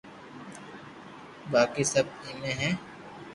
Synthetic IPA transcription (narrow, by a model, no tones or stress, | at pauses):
baːkisɐb̚imẽɦɛ̃ː